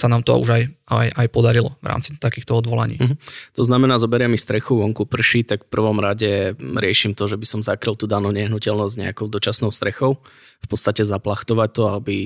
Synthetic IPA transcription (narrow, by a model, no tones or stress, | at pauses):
sanaːmt̪ɔ̰ṵʒajajajpɔd̪aɾilɔ̰ʋɾa̰ːmt͡sit̪akiːxt̪ɔɔd̪ʋɔla̰ɲḭːm̩ɦ̩t̪ɔznamɛnaːzɔbɛɾɪɛmist̪ɾɛxuʋɔŋkupr̩ʃit̪akfpr̩ʋɔmɾaɟɛɾɪɛʃimt̪ɔʒɛbisɔmzakɾilˠt̪uːd̪anuʊɲɛɦnucɛlnɔzɟɲɛ̰akɔʊd̪ɔt͡ʃasnɔʊst̪ɾɛxɔʊ | fpɔt̪st̪acɛzaplaxt̪ɔʋac̚t̪ɔabi